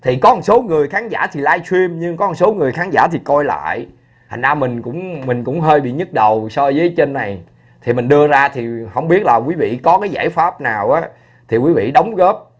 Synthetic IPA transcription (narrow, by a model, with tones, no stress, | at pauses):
t̪ʰi˨˩kɔ˨˦˨so˨˦ŋɨ˨˩əjxaː˨˦nzaː˧˩t̪ʰi˨˩laː˧jswi˧əmɲɨ˧ŋkɔ˨˦˧so˨˦ŋɨ˨˩əjxaː˨˦nza̰ː˧˩t̪ʰi˨˩kɔ˧jla̰ː˧˨j | ha̰˨˩ŋzaː˧mï˨˩ŋ̟kʊ̰˧˥ŋ͡mmï˨˩ŋ̟kʊ̰˧˥ŋ͡mɦəː˧jɓḭ˧˨ɲɨ˦˥t̚ɗə˨˩wsɔ˧zəː˨˦jt͡ɕe˧nːa˨˩j | t̪ʰi˨˩mi˨˩ŋ̟ɗɨ˧əzaː˧t̪ʰi˨˩hə˧wŋ͡mɓi˦˥ət̚laː˨˩kwi˨˦vḭ˧˨kɔ˨˦kaː˨˦jzaː˧˩jfaː˦˥p̚naː˨˩wʔaː˨˦ | t̪ʰi˨˩kwi˨˦vḭ˧˨ɗə˨˦wŋ͡mɣəː˦˥p̚